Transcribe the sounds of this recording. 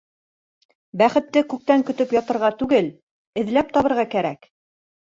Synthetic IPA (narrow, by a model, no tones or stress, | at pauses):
bæχɘ̆t̪ːɘkʉk̚t̪æŋkɵ̆t̪ɵpjɑt̪ɤ̆ɾʁɑt̪ʉɡɘl | ɘ̆ðlæp̚t̪ɑβɤ̆ɾʁɑkæɾæk